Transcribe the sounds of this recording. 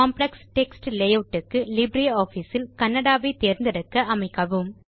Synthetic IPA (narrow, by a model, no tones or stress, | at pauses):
aːmplɐksʈɛksʈlɛjoːʈːɯkːɯlɪbɾijoːfisɪlkɐnːɐɽaːʋɐɪt̪eːɾnd̪ɐɾɯkːɐʔɐmɐɪkːɐʋɯm